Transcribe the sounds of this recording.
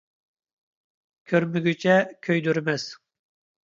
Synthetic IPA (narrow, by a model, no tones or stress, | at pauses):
kʲʰøɾmyɡʲyt͡ʃʰɛkʲʰøjd̪yɾmɛz̥